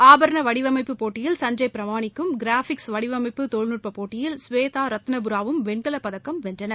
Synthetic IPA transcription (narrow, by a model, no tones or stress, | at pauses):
aːbɐɾɐɳɐʋɐɽɪʋɐmɐɪpːɯpoːʈːɪjɪlsɐɲd͡ʒɐɪpɪɾɐʋaːɳɪkːɯmɡɪɾaːfɪksʋɐɽɪʋɐmɐɪpːɯt̪oɭnɯr̚pɐpoːʈːɪjɪlsʋeːt̪aːɾɐt̪ːnɐbɯɾaːʋɯmʋɛɳɡɐɭɐpːɐðɐkːɐmʋɛndrɐnɐɾ